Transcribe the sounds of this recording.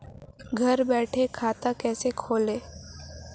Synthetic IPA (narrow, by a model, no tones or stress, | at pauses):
ɡʱɐɾbɛːʈʰekʰaːt̪akɛːsekʰoːleː